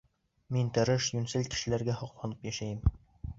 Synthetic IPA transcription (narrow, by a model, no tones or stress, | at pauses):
mint̪ɘ̆ɾɘʃjʉnsɘlkɘ̥̆ʃɘ̆læɾɡæhɒqlˠɑnɤpjæʃæjɘm